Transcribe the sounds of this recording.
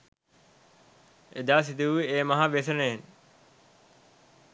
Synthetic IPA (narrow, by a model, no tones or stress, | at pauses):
ɪd̪aːs̬ɪd̪ʱiuieːmɐɦãʋeːsəneɦɪn